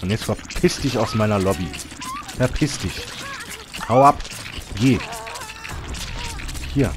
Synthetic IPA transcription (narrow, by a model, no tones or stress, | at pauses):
ʊntjɛt͡stfɛɐpʰɪsd̥ɪçaʊsmaɪnɐlɔbi | fɛɐpʰɪsd̥ɪç | haʊap | ɡeː | hiːɐ